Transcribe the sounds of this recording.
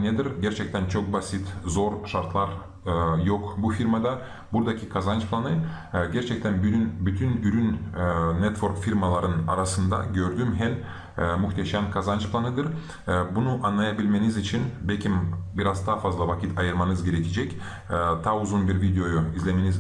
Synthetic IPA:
ned̪iɾɟʲeɾt͡ʃʰɛk̚t̪ʰænt͡ʃʰo̞k̚basit̪zo̞ɾʃaɾt̪lˠaɾ | jokbufiɾmad̪a | buɾd̪akʲʰikʰazant͡ʃplˠanɯ | ɟʲeɾt͡ʃʰɛk̚t̪ʰænbnbyt̪ʰynyɾynnet̪vo̞ɾkfiɾmalˠaɾɯna̰ɾasɯnd̪a̰ɟø̞ɾd̪ymɦælʲ | myxt̪eʃæmkʰazant͡ʃplˠanɯd̪ɯɾ | bunuʔanlˠajabilʲmenizit͡ʃʰinbekʲʰimbiɾazt̪ʰafazlˠavakʰʲit̪ʰɑjɯɾmanɯzɡʲe̞ɾekʲʰed͡ʒɛkʲː | t̪ʰaːuzunbiɾvid̪ejo̞joizlʲemeniz

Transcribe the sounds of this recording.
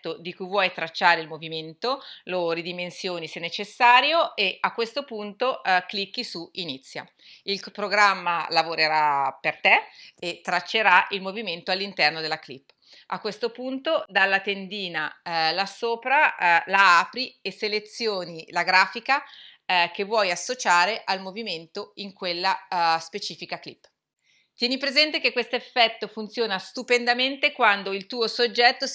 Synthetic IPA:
t̪ːod̪ikujvwɔjt̪ɾat͡ʃːaːɾeilmoviment̪olorid̪imensjoːnisenːet͡ʃesːaːɾjoeakːwest̪opunt̪oklikːisuinit̪sːja̰ | ilpɾoɡɾamːalavoɾeɾapert̪eet̪ːɾat͡ʃːeɾailmoviment̪oalːint̪ɛrnod̪elaklipː | ʔakːwest̪opunt̪od̪alːat̪end̪iːnalasoːpɾalaaːpɾieselet̪sːjoːnilaɡɾaːfika | kevːwɔjasːot͡ʃaːɾeʔalmoviment̪oiŋkwelːaspet͡ʃiːfikaklḭpː | t̪jɛːnipɾezɛnt̪ekekːwest̪oefːɛt̪ːofunt̪sjoːnast̪upend̪ament̪ekwand̪oilt̪uːosod͡ʒːɛt̪ːo

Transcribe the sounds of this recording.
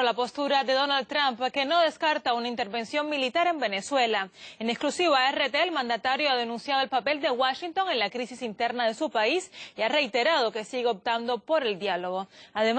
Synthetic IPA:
olapo̞st̪uɾaðe̞ðo̞nald̪̚t̪ɾampke̞no̞ðe̞skaɾt̪aunaint̪e̞ɾβe̞nsjo̞ŋmilit̪aɾe̞mbe̞ne̞swe̞laeneksklusiβaeret̪elmãnd̪at̪aɾjoaðe̞nũnsjaðo̞elpape̞ld̪e̞waʃint̪o̞ŋe̞nlakɾisisint̪e̞ɾnaðe̞supaisiare̞jt̪e̞ɾað̞o̞ke̞siɣeo̞p̚t̪and̪o̞po̞ɾe̞ld̪jalo̞ɣo̞aðe̞m

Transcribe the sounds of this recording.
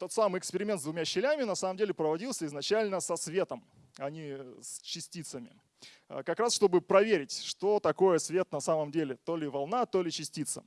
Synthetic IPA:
t̪o̞t̪samɨjɪkspʲɪɾʲɪmʲent̪zdvʊmʲaɕːɪlʲæmʲɪnɐsaməmdʲelʲɪpɾəvɐdʲilˠsʲəɪznɐt͡ɕælʲnəsɐsvʲe̞t̪əm | ɐnʲist͡ɕːɪsʲtʲit̪səmʲɪ̰ | kɐkɾasʂt̪o̞bɨpɾɐvʲeɾʲɪtʲʂt̪o̞t̪ɐko̞jəsvʲe̞t̪nɐsaməmdʲelʲɪt̪o̞lʲɪvɐlˠnat̪olʲɪt͡ɕɪsʲtʲit̪sə̰

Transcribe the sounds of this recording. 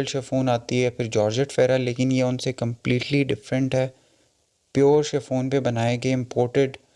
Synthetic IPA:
lʃɛːfoːnaːt̪iɦɛpʰɪɾd͡ʒɔːɾd͡ʒəʈfɛːɾaleːkɪnjeʊnsekɐ̃mpliːʈliɖɪfɾə̃ɳʈɦɛː | pjoːɾʃɛfoːnpebɐnaːeɡeɪ̃mpoːɾʈeɖ

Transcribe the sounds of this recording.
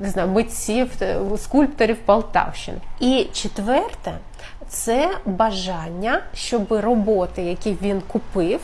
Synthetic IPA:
nɪznɑjʊmɪt͡sʲiwskulʲpt̪ɔɾʲiwpɐlˠt̪ɑ̰wʃɪ̰nit͡ʃɪt̪ʋɛrt̪ɛ | t̪sɛbɐʒɑnʲːɐʃt͡ʃɔbɪrɔbɔt̪ɪjɐkʲiʋʲinkʊpɪw

